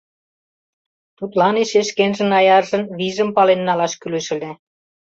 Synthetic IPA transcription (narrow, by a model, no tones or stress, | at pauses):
t̪ut̪lɑneʃeʃkenʒɘ̆nɑjɑrʒɤ̆nβiʒə̆mpɑlenːɑlɑʃkylø̆ʃɘ̆lʲĕ